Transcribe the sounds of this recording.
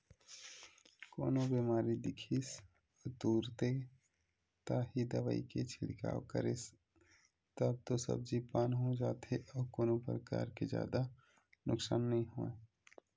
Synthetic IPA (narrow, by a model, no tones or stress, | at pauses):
koːnõbiːmaːɾid̪ɪkʰis | ɔt̪uːɾt̪e | t̪aːɦid̪əʋaḭket͡ʃʰɪlɪka̰ːwkə̰ɾes | t̪əb̚t̪osə̰b̚d͡ʒipaːnɦõd͡ʒaːt̪eʔɔːɾkoːnõpɾəka̰ːɾked͡ʒja̰ːd̪a | nʊksaːnːəɦĩɦoẽ